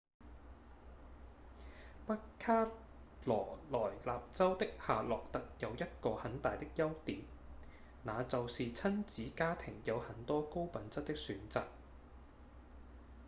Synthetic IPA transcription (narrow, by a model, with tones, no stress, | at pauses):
pɐ˥aː˥ | lɔː˨˩lɔː˨˩jlaː˨p̚t͡sɐ˥wt̪ɪ˥k̚haː˨lɔː˨k̚t̪ɐ˨k̚jɐ˨˧wjɐ˥t̚kɔː˧hɐ˨˥nt̪aː˨jt̪ɪ˥k̚jɐ˥wt̪iː˨˥m | naː˨˧t͡sɐ˨wsiː˨t͡sʰɐ˥nt͡siː˨˥kaː˥t̪ʰɪ˨˩ŋjɐ˨˧whɐ˨˥nt̪ɔː˥ko˥wpɐ˨˥nt͡sɐ˥t̚t̪ɪ˥k̚syː˨˥nt͡sa̰ː˨k̚